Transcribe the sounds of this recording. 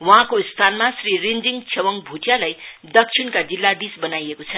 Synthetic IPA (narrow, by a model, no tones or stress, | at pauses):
wʌɦãkost̪ʰanmasrirind͡ziŋt͡sʰewʌŋbʱuʈʰjalajd̪ʌk̚t͡sʰiɽkad͡zilːad̪isbʌnajekot͡sʰʌ